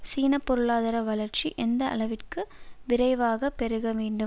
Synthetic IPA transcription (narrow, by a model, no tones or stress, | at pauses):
siːnɐpːɔɾɯɭaːðɐɾɐʋɐlɐɾt͡ʃiʔɛnd̪ɐɐ̰lɐʋɪrkɯʋɪɾɐɪʋaːɣɐpːɛɾɯɣɐʋeːɳɖɯm